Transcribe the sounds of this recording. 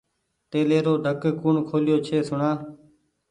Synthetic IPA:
t̪eːleːɾoːɖʱəkkuːɳkʰoːlɪjoːt͡ʃʰeːsʊɳaː

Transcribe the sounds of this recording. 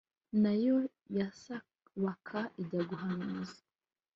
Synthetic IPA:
najo | jasa | βakʰaʔiɟaɡuɦanuzḁ

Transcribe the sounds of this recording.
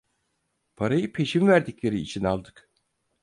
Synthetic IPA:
pʰaɾajɯpʰe̞ʃimvæɾd̪iclʲe̞ɾiːt͡ʃʰinalˠd̪ɯk

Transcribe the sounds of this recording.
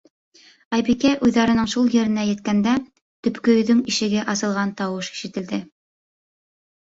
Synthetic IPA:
ɑjbikæjʔʉjðɑɾɤ̆nɤɴʃulˠjɘ̆ɾɘ̆næjɘ̆t̪̚kænd̪æ | t̪ɵ̆pkɵ̆ðɵŋiʃɘ̆ɡɘʔɑsɤ̆lˠʁɑnt̪ɑwɤʃi̥ʃɘ̆t̪ɘ̆ld̪ɘ

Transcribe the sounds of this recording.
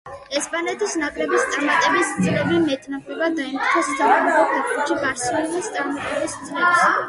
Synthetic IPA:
ɛspʼanɛt̪ʰisnakʼɾɛbist̪sʼaɾmat̪ʼɛbist̪zʼlɛbimɛt̪ʼnapʰɛbad̪aimɾt̪ʰɔst̪ʰavaɾɔp̪ʰɛp̚ʰbuʃibaɾsulnist̪sʼaɾmat̪ʼɛbist̪zʼlɛps

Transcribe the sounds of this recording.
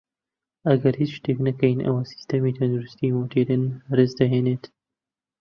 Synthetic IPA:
ɐɡɐɾhit͡sʃt̪eːknɐkɐjnʔɐ̰wasi̥st̪ɐmiːt̪ʰɐnd̪uɾust̪iːmot̪ʰeɾɨnɾɨzd̪ɐɦeːneːt̪

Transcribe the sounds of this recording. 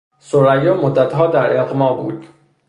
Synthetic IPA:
soɾæjɒːmod̪ːæt̪ɦɒːd̪æɾelqmɒːbṵːd̪̥

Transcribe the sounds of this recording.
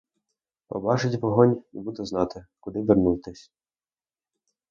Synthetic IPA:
pɔ̰bɑt͡ʃɪtʲʋɔɦɔnʲibud̪ʊznɑt̪ɪkʊd̪ɪʋɪrnujt̪ɪsʲ

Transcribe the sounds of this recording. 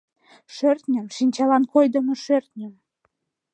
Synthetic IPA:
ʃørt̪nʲəmʃinʲt͡ɕɑlɑnkojd̪ə̆moʃørt̪nʲəm

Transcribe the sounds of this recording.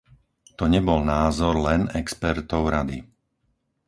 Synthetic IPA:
t̪ɔɲɛbɔlnaːzɔɾlɛnɛkspɛɾt̪ɔʊɾad̪i

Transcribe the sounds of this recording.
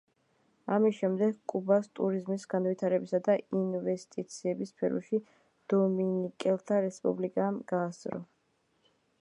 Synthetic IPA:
amisʃɛmd̪ɛɡkʼubast̪ʼuɾizmisɡanvit̪ʰaɾɛbisad̪ainvɛst̪ʼit̪sʰiɛbispʰɛɾɔ̰ʃi | d̪̥ɔminikʼɛlˠt̪ʰaɾɛspʼṵblikʼamɡ̥aːsʼɾɔ̰

